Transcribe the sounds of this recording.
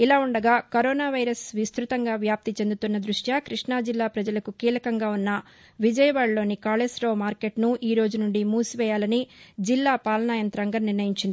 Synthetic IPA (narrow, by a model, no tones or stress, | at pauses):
ilaːuɳɖɐɡaːkɐɾɔːnaːʋɐjɾɐsʋist̪ɾut̪ɐŋɡaːʋjaːp̚t̪it͡ʃe̞nd̪ut̪unːɐd̪ɾuʂjakɾiʂɳaːd͡ʒilːaːpɾɐd͡ʒɐlɐkukiːlɐkɐŋɡaːunːɐ | ʋid͡ʒɐjɐʋaːɭlo̞ːnikaːlesɾoːmaːɾke̞ʈnuʔiːɾo̞ːd͡ʒunuɳɖimuːsʋɛːjaːlɐnid͡ʒilːaːpaːlɐnaːjɐnt̪ɾɐŋɡɐnniɾnɐjiɲt͡ʃind̪i